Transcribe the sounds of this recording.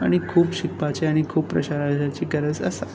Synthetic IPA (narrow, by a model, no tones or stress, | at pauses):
aɽ̃ikʰuːbɕikpat͡ɕeaɽ̃ikʰuːbpːɾə̰ɕaɾad͡ʑat͡ɕiɡəɾəd͡zə̰sa